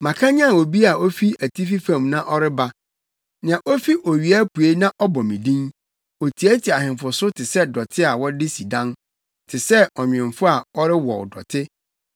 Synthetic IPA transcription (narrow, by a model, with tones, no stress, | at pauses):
mã˨kʰã˦ɲã˦˨o˨bi˦a˨o˦fi˦æ˨tʰi˦fi˦fã˦˨mnã˦ʔɔ˦ɾɪ˦ba˦ | nɪ̃˨ã˨ʔo˦fi˦ʔo˨ɥi˨a˦pʰu˨e˦nã˦ʔɔ˦bɔ˨mĩ˨dĩ˦n | o˨tʰi˨æ˦tʰi˨a˨hɪ̃˨m˨fʊ˨sʊ˦tʰɪ˨sɛ˦dɔ˨tʰɪ˦a˨wɔ˦dɪ˦si˨dã˦n | tʰɪ˨sɛ˦ɔ˨ɲᶣɪ̃˨m˨fʊ˦a˨ɔ˦ɾɪ˦wɔ̰˨wdɔ̰˨tʰɪ˦